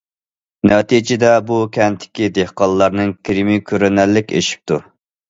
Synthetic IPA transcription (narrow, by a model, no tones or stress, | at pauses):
nɛt̪id͡ʒɪd̪ɛbukʲʰɛnt̪ʰːɪ̥kʲid̪ehqɑlˠlːˠɑɾnɨŋkʲʰiɾimikʲʰøɾɛnɛlːɪkʲḛʃi̥p̚t̪ʰu